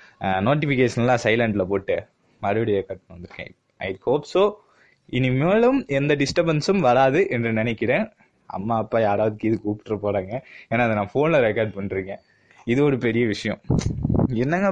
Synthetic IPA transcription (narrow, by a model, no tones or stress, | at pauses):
noːʈ̬ːɪfɪkeːʂɐnlːãːsɐɪlɐɳʈɪlɐpoːʈːɯ | mɐɾɯʋɐɽɪjɐkɐɾʈːnʋɐnd̪ɯɾɯkːḛ̃ | ɐ̰ɪhoːpsoː | ɪnɪmeːɭɯmɛnd̪ɐɖɪsʈɐbɐnsɯmʋɐɾaːðɯʔɛndrɯnɪnɛkːɪɽẽː | ɐ̰mːaːɐpːaːjaːɾaːʋɐðɯkːɪðɯkuːpɪ̥ʈːɾɐpoːɾaːŋɡɐeːnaːɪðɐnãːfoːnlɐɾɛkaːɾɖ̚pɐɳːɾiːŋɡɐ̃ | ɪðɯɔɾɯpɛɾɪjɐʋɪʂɐjɐ̰̃ | ɛnːɐŋɡɐ